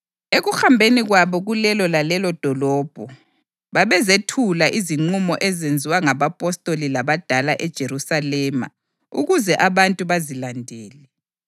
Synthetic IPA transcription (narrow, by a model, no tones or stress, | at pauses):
eɣuxambʱeniɣwaβɔɣulɛlɔlalɛlɔd̥ʱɔlɔːb̥ʱɔ | βaβɛzetʰulaʔiziŋ͡ǀumɔʔɛzend͡zʱiwaŋaβapʼɔstʼolilaβad̥ʱalaʔɛd̥ʒ̥ʱeɾusalɛːma̰ | ṵɣuzɛʔaβantʼuβazilandʱɛːlɛ